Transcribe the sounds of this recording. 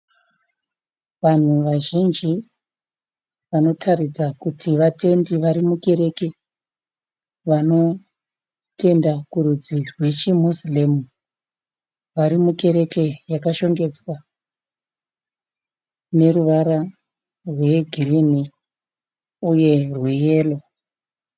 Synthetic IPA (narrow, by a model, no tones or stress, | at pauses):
ʋan̤uʋaʒind͡ʒi | ʋano̞tʰarid͡zakutʰiʋate̞ndiʋaɾimuke̞ɾe̞ke̞ | ʋano̞ | te̞ndakuɾud͡zirwe̞t͡ʃimusilemu | ʋaɾimuke̞ɾe̞ke̞jakaʃo̞ŋɡe̞d͡zwa | ne̞ruʋaɾa | rwe̞ɡʱirini | uje̞rwe̞je̞ːlo̞